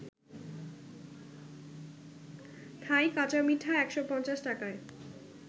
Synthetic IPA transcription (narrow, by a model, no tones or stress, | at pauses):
t̪ʰajkat͡ɕamiʈʰːaɛkʃopɔnt͡ɕaʃʈakae